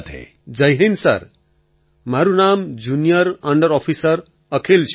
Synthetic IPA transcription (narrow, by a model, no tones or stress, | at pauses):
t̪ḛ | d͡zʌjɦensʌ̰r | maɾunamd͡zunijʌɾʌɳɖʌɾɔpʰisʌɾ | ʌkʰelt͡sʰ